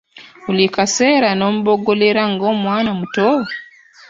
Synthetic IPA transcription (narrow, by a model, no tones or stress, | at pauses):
ulikaseːɾano̞ːmuβoɡoleɾaŋɡoːmwaːnamuto